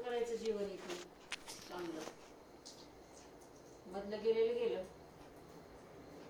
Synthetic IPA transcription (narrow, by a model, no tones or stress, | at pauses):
kəɾajt͡səd͡ʑiʋəniku | lanlə | məd̪ləɡeleləɡelə